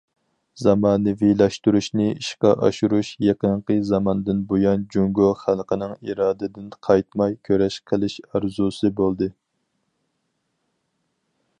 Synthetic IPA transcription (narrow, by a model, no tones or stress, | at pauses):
z̥ɑmɑːnɨvilɑʃt̪uɾuʃnɨiʃqɑʔɑ̰ʃuɾuʃjeqəɴqəzɑmɑnɨd̪ɨnbojɑnd͡ʒuŋɡoχælˠqənɨŋiɾɑːd̪ɨd̪ɪnqʰɑjt̪mɑjkʲʰøɾɛʃqʰəlˠɪʃɑɾzusɨbolˠd̪ɨ